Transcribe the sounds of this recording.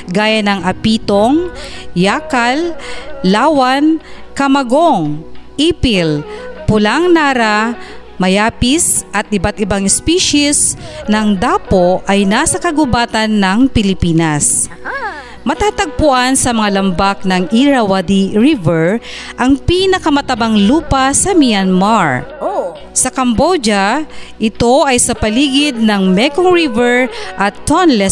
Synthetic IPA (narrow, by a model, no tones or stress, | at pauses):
ɡaːjɐnɐŋʔɐpiːt̪oŋjaːkɐlː | aːwankɐmɐɡoŋʔiːpɪlpʊlaŋnaːɾa | mɐjaːpɪsʔɐt̪̚ʔɪbat̪ʔɪbaŋɛspiʃisnɐŋd̪aːpoʔɐjnaːsɐkɐɡʊbaːt̪ɐnːɐŋpɪlɪpiːnɐs | mɐt̪aːt̪ɐɡ̚pʊʔansɐmɐŋalɐmbak̚nɐŋʔiɾɐwad̪iɹivɛɹ | ʔɐŋpiːnɐkɐmɐt̪ɐbaŋluːpɐsɐmɪjanmaɹ | sɐkɐmbod͡ʒaʔɪt̪o̞ʔɐjsɐpɐliːɡɪd̪̚nɐŋmɛkoŋɹivɛɹʔɐt̪ːonlɛ